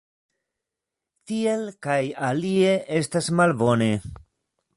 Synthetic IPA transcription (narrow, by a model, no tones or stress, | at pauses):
tie̞lkajalie̞ʔestasmalbo̞ne̞